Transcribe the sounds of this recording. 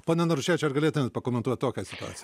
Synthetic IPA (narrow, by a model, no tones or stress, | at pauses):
poːnʲɛnɐɾʊʃʲeːt͡ʃʲɛɐrɡɐlʲeːt̪ʊmʲɛt̪pɐkoːmʲɛnt̪uɔt̪ʲtoːkʲɛsʲɪt̪ʊa̰ːt͡sʲj